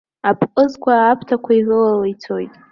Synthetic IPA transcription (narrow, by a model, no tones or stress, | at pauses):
apʰqʼɨzkʷʰaːpʰtʰakʷʰaizʷɨlalajt͡sʰojtʼ